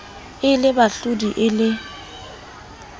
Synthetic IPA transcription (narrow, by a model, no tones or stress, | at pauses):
ɪlɪbaɬudiʔɪlɪ